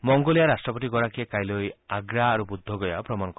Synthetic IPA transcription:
mɔŋɡolijaɾasʈɾɔpɔʈiɡɔɾakiekajlojaɡɾaːɾubud̪ʱːɔɡɔjapɾɔmanɔk

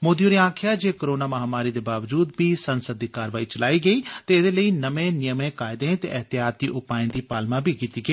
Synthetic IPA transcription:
moːd̪ijoːɾiãːkʰɪjaːd͡ʒeːkoɾoːnaːməɦaːmaːɾiːd̪eːbaːʋd͡ʒuːd̪biːsənsəd̪ːiːkaːɾʋaːiːt͡ʃəlaːiːɡəiːt̪eːɪd̪eːləiːnəʋẽːnɪjəmẽːkaːɪd̪ẽːt̪ḛːʔəɦt̪ɪjaːt̪̚ːiːʔʊpaːɪ̃nd̪iːpaːlmãːbiːkiːt̪iːɡəiː

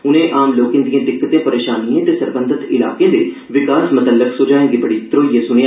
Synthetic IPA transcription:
ʊnẽːʔaːmloːkẽːd̪ijãːd̪ɪkːət̪ẽːpəɾeːʃaːniãːt̪eːsəɾbənd̪ʱət̪ɪla̰ːkẽːd̪eː | ʋɪkaːsmʊt̪əlːəksoːd͡ʒaːẽːɡibəɽiːd̪ɾoːijẽːsʊne

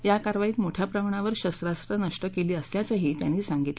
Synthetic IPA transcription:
jakaɾʋaiːt̪moʈʰjapɾəmɳ̃aʋəɾɕəst̪ɾast̪ɾənəʂʈəkeliːəsljat͡səɦiːt̪ja̰nːiːsaŋɡit̪

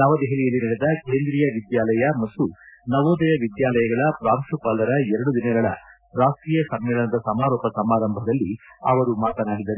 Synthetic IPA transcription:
nɐʋɐd̪ɛɦeɭijɐlːinɐɽɛd̪ɐke̞ːnd̪ɾijɐʋid̪jaːlɐjɐmɐt̪ːunɐʋoːd̪ɐjɐʋid̪jaːlɐjɐɡɐɭɐpɾaːmʃupaːlɐɾɐɛɾɐɽud̪inɐɡɐɭɐ̰ | ɾaːʂʈɾiːjɐsɐmːɛlɐnɐd̪ɐsɐmaːɾɔːpɐsɐmaːɾɐmbʱɐd̪ɐlːiɐ̰ʋɐɾumaːt̪ɐnaːɽid̪ɐɾe

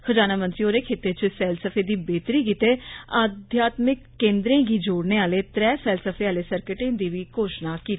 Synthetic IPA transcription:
xʰəd͡ʒaːnaːmənsiːoːɾeːkʰeːt̪eːt͡ʃəsɛːlsəpʰeːd̪iːbeːt̪ɾiːkiːt̪eːaːd̪ʱjaːt̪mɪkːẽːnd̪ɾẽːɡiːd͡ʒoːɽneːaːleːt̪ɾɛːsɛːlsəpʰeːaːleːsəɾkəʈẽːd̪iːʋiːkoːʃnaːkiː

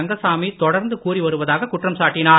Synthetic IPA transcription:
ɐŋɡɐsaːmit̪ɔɽɐɾnd̪ɯkuːɾiʋɐɾɯʋɐðaːɣɐkʊʈrɐmsaːʈːɪnaː

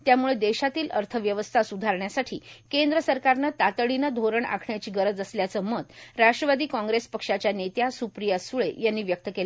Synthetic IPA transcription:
t̪jamuɭed̪eɕat̪iːləɾt̪ʰəʋjəʋəst̪ʰasud̪ʱaɾɳjasaʈʰḭːkend̪ɾəsəɾkaɾnət̪at̪əɽinəd̪ʱoɾəɳa̰kʰɳjat͡ɕiːɡəɾəd͡zəsljat͡səməd̪ɾaʂʈɾəʋad̪iːkɔ̃ŋɡɾespəkʂat͡ɕjanet̪jasupɾijasuɭejanːiːʋjək̚t̪əkela

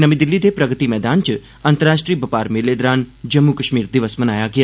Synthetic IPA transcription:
nɐmid̪ɪlːid̪eːpɾɐɡət̪imɛːd̪aːnt͡ʃɨ | ɐnt̪əɾaːʃʈɾiːbɐpaːɾmeːleːd̪ɾaːnd͡ʒɐmːukɐʃmiːɾd̪ɪʋəsmɐnaːjaːɡɪjaː

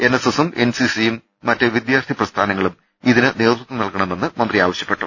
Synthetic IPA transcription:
e̞nːesesume̞nsisijumː | ɐtːɨʋid̪jaːrt̪ʰiprɐst̪ʰaːnɐŋːɐɭum | iðinɨne̞ːd̪ɾut̪ːɨnɐlkɐɳɐme̞nːɨmɐnd̪rijaːʋɐɕjɐ̥pːe̞ʈːu

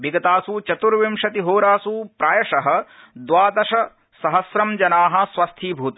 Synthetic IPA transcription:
ʋiɡɐt̪aːsut͡ʃɐt̪uɾʋimʂɐt̪iɦoːɾaːsupɾaːjɐʂɐɦɐ̆ | d̪ʋaːd̪ɐʃɐ | sɐɦɐsɾɐmd͡ʒɐnaːɦɐ̆sʋɐst̪ʰiːbʱuːt̪

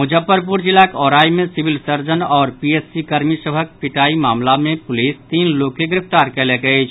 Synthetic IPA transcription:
mʊd͡ʒəpːəɾp̬uɾd͡ʒɪlakɔːɾaːimẽsɪʋɪlsəɾd͡ʒənɔːɾpieːsːikɐɾmisəbʱək̚pɪʈaːimaːmlamẽpʊliːst̪iːnloːkeɡɪɾɪft̪aːɾkɛleɡəet͡ʃʰ

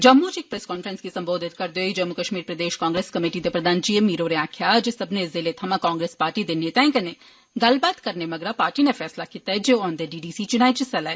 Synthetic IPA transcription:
d͡ʒɐmːut͡ʃek̚pɾeːskɔːnfɾənskisɐ̃mboːd̪ʱɪt̪̚kɐɾd̪eoid͡ʒɐmːukəʃmiːɾpɾɐd̪eːʃkãːŋɡɾeːskɐmeːʈid̪epɾɐd̪aːnt͡ʃiemːiːɾoɾeãːkʰjad͡ʒesɐbnezɪlet̪ʰɐmãkaːŋɡɾeːspaːɾʈid̪eneːt̪ɛ̃ːkɐne | ɡɐlbaːt̪kɐɾnemɐɡɾapaːɾʈinefʰɛːslakiːt̪aɛd͡ʒend̪eɖiːɖiːsit͡ʃʊñaːet͡ʃɪsɐlaɛ

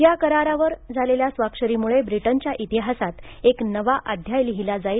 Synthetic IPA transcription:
jakəɾaɾaʋəɾd͡zʱaleljasʋakʂəɾimuɭebɾiʈəɲt͡ɕjaʔit̪iɦasat̪eknəʋaʔad̪ʱjajliɦilad͡zai

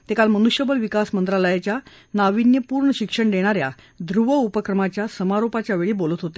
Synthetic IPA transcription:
t̪ekalmənuɕjəbəlʋikasmənt̪ɾaləjat͡ɕja | naʋinjəpuːɾɳəɕikʂəɳɖ̪eɽ̃aɾja̰ | d̪ɾuʋəupəkɾəmat͡ɕjasəmaɾopat͡ɕjaʋeɭiːbolət̪ɦot̪e

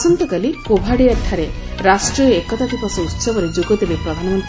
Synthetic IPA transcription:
sɔnt̪ɔkalikobʱaɽiaʈ̪ʰaɾe | ɾasʈɾiɔekɔt̪at̪ipɔsɔut̪sɔbɔɾed͡ʒuɡɔd̪ibepɾɔd̪ʱanɔmɔnt̪ɾ

